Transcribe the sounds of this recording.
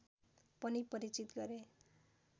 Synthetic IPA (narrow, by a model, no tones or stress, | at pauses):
pʌnipʌɾit͡sit̪ɡʌɾe